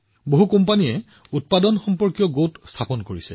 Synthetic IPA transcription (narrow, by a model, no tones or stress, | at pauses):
boɦukɔmpaniɛ | ut̚padɔnxɔmpɔɹkjɔɡotstʰapɔnkoɹisɛ̰